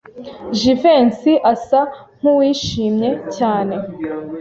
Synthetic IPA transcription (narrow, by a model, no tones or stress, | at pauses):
ʒiveːnsiʔasaŋ̥uwiːʃiːmɲe̞caːne̞